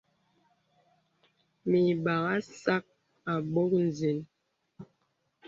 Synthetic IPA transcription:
mi˨ɓa˨ɣa˦sa˦k̚ | a˨ɓo˦k̚n̩˨zi˨n

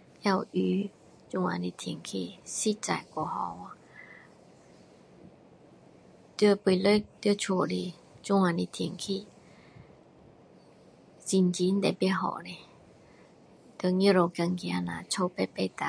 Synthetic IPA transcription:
ja˥˧˨wy˧˦ | t͡ɕu˧ŋa̰˨ni˧t̪ʰi˨˩ŋkʰi˧˥si˦t͡sa̰˨jkɔ˨˧hɔ˧wa˧ | t̪pwi˧lə˧˦˨t̪ə˧˦t͡ɕʰo˨˩˨li˧ | t͡ɕu˧˦ŋa˨ni˧t̪ʰi˨˩ŋkʰi˧˨ | si˧nt͡ɕi˧˦n̩˦t̪e˧˨pɦɔ̰˧˨ne˧ | t̪jŋi˧˦˨ɾo˧ka˧ŋki˧a˧nã̰˨t͡ɕʰo˧pe˧pe˧t̪a˨

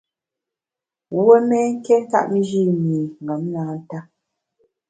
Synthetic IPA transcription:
wə˦mɛ˦ŋ̩˦kɛ˦n˦ka̰˦ʔm̩˦d͡ʒi˦mi˨ŋ̩˨ɡa˨˦m˦naː˨˦n̩˦ta˦

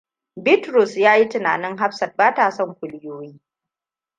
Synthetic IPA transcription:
bɪ˦tɾʊ˨sjaː˦ji˦tɪ˨na̰ː˨nɪ˦ŋɦa˦ɸsɐ˨r̚baː˦taː˨sɔ˦˨ŋkʷʊ˨lɪ˦joː˦jiː˦

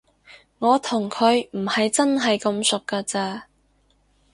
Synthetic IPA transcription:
ŋɔː˨˧t̪ʰʊ˨˩ŋkʰɵ˨˧ɥm̩˨˩hɐ˨jt͡sɐ˥nɦɐ˨jkɐ˧msʊ˨kːaː˧t͡saː˧

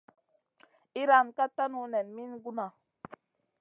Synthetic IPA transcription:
i˦ɾa˦˨nka˦ta˦nu˦nɛ˨nmi˦nɡu˦na˨

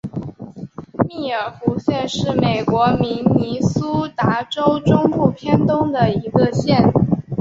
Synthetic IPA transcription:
mi˥˩ə˞˨˩fu˧˥ɕjɛ˥˧nʂɻ̩˥˩me˨˩ɪkwɔ˧˥mi˧˥nni˧˥su˥t̪a˧˥ʈ͡ʂo˥ʊʈ͡ʂʊ˥ŋpu˥˩pʰjɛ˥nt̪ʊ˥ŋd̪ə˨i˧˥ɡə˧ɕjɛ˥˩n

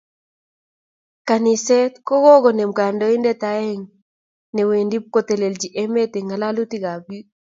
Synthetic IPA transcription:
ka˨ni˨sɛ˦t̪kɔ˦ɡɔ˦ɡɔ˨ne˨mka˨ndɔ˦i˦ndɛ˦t̪a˨ɛ˦ŋ | ne˨we˨ndi˦p̚ko˦t̪e˨le˨ld͡ʒi˨ʔe˦me˦t̪e˨ŋa˨la˦lu˦t̪i˦ɡa˨bi˦

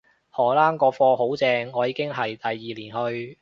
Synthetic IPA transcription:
hɔː˨˩laː˥ŋkɔː˧fɔː˧ɦo˨˥wt͡sɛː˧ŋːɔː˨˧jiː˧˥kɪ˥ŋɦɐ˨jt̪ɐ˨jːiː˨liː˨˩nhɵ˧ɥ

